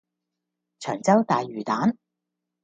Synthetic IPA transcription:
t͡ʃʰœː˨˩ŋt͡sɐ˥wt̪aː˨jɥyː˨˩t̪aː˨˥n

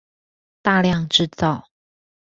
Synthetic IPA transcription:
t̪a˥˧ljɑ˥˨ŋʈ͡ʂɻ̩˥˧t͡sɑ˥˨ʊ

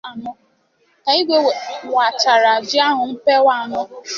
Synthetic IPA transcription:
a˨mʊ˦ | ka˨i˦ɡʷe˦we˨wa˨t͡ʃa˨ɾa˨d͡ʒɪ˦a˦ɦʊ˨n̩˦pe˦wa˦˨a˨nʊ˦

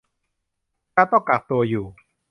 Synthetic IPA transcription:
kaː˧˩t̪ɔ˥˩ŋka˨˩k̚t̪u˧ɐjuː˨˩

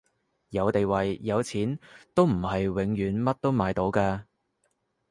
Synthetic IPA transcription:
jɐ˨˧wt̪e˨˧jwɐ˨jːɐ˨˧wt͡sʰiː˨˥nt̪o˥wm̩˨˩hɐ˨jwɪ˨˥ŋjyː˨˥nmɐ˥t̚t̪o˥wmaː˨˧jt̪o˨˥wkaː˧

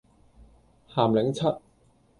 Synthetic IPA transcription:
haː˨˩mlɪ˨˥ŋt͡sʰɐ˥t̚

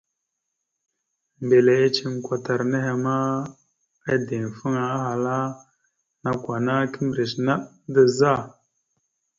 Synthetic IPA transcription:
m˨be˨le˨e˦t͡ʃi˦ŋkʷa˨ta˨ɾne˦ɦe˨ma˦ | a˦de˨ŋ˨fə˦ŋa˨a˦ɦa˨la˦ | na˨kʷwa˨na˦ki˦m˨ɾi˨sna˦ɗ | də˦za˦˨

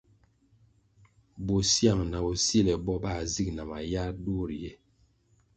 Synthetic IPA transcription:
bo˨sja˦˨ŋna˨o˨si˦˨lɛ˨bɔ˦ba˦˨zi˦k̚na˨ma˨ja˦ɾdu˦˨ɾjɛ˦˨

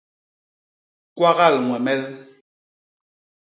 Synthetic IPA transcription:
kwa˦ɣa˦˨lŋwɛ˨mɛ˦l

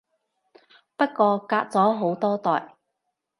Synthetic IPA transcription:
pɐ˥t̚kɔː˧kaː˧k̚t͡sɔː˨˥ɦo˨˥wt̪ɔː˥t̪ɔː˨j

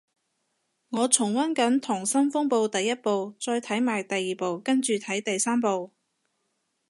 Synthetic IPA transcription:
ŋɔː˨˧t͡sʰʊ˨˩ŋwɐ˥nkɐ˨˥nt̪ʰʊ˨˩ŋsɐ˥mfʊ˥ŋpo˧wt̪ɐ˨jːɐ˥t̚po˨˧wt͡sɔː˧jt̪ʰɐ˨˥jmaː˨˩jt̪ɐ˨jːiː˨po˨˧wkɐ˥nt͡ʃyː˨t̪ʰɐ˨˥jt̪ɐ˨jsaː˥mpo˨˧w

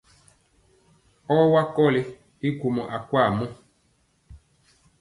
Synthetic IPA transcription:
ɔ˦wa˦kɔ˦˨le˨ | i˦ɡu˨mɔ˨ʔa˨kwa˦˨mɔ˦

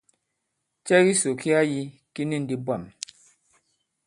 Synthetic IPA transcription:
t͡ʃɛ˦ɣi˦so˨ki˦a˦ji˦ | ki˦ni˦˨n̩˦di˦ba˨m

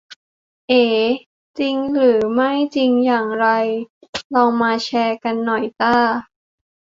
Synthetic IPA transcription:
ʔeː˧˩ | t͡ɕi˧ŋɾɯː˩˦ma˥˩jt͡ɕi˧ŋjaː˨˩ŋɾa˧jlɔː˧ŋmaː˧t͡ɕʰɛː˧ka˧nːɔ˨˩jt̪aː˥˩

